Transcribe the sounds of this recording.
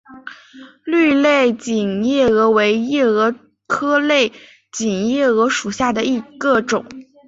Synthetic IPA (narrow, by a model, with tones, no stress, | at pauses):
ly˥˧le˥˩ɪt͡ɕi˨˩njɛ˥˩ɤ˧˥we˧˥ɪjɛ˥˩ɤ˧˥ | kʰɤ˥le˥˩ɪ | t͡ɕi˨˩ŋjɛ˥˩ɤ˧˥ʂu˨˩ɕja˥˩d̪ə˩i˧˥ɡ̥ə˧ʈ͡ʂʊ˨˩˦ŋ